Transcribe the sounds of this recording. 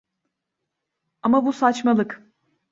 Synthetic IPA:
amabusat͡ʃmalˠɯk

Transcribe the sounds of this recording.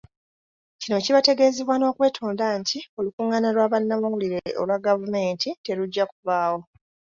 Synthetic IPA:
cino̞ciβate̞ɡe̞ːzeβwano̞ːkwe̞ːtʰoːndantʰio̞lukuːŋanalwaːβanːamuuliɾe̞ʔo̰lwaɡavume̞ːntite̞luɟːakuvaːwo̞

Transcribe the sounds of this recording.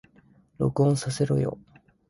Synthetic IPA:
ɾo̞̰kɯõɰ̃sase̞ɾo̞̰jo̰

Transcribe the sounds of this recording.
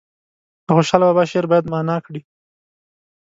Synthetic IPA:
dəxoʃɑlabɑbɑʃeɾbɑjad̪mɑnɑkɽi

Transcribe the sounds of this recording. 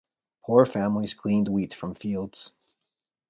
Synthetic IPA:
pʰuɹfæ̃mlizɡlĩnd̚witfɹʌ̃ɱfilˠdz̥

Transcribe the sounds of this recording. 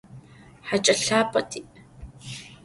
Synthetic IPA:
ħat͡ʃʼɐɬaːpʼɐtʰʼiʔʼ

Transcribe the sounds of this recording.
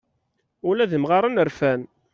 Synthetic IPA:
ʊlæðəmʁaɾˤənəɾfæn

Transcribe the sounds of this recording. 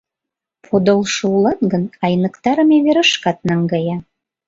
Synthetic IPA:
pʰod̪olʃoulɑt̪ɡənɑjnə̆kt̪ɑɾəmeβeɾəʃkɑt̪̚nɑŋɡɑjɑ

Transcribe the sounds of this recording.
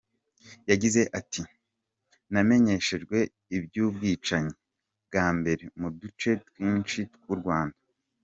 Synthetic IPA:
jaɟize̞ʔati | name̞ɲe̞ʃe̞ʒɡwe̞ | ibɟuːbɡiːt͡ʃaɲe | bɡaːmbe̞ɾe̞mudut͡ʃe̞twiːnt͡ʃitkuɾɡwaːndḁ

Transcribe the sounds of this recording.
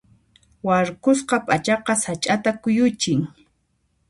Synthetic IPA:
waɾkʊsqɑpʼat͡ʃɑqɑsat͡ʃʼat̪akʊjʊt͡ʃɪŋ

